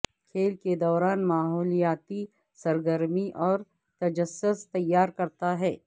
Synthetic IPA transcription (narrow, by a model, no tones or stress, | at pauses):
kʰeːlked̪ɔːɾaːnmaːɦɔːlijaːt̪i | sɐɾɡəɾmiʔɔːɾ | t̪ɐd͡ʒəsːʊst̪ɐjːaːɾkɐɾt̪aɦɛː